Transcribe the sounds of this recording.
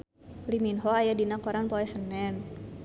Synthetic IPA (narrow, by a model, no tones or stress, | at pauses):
liminɦoajadinakɔɾanpɔɛsənɛn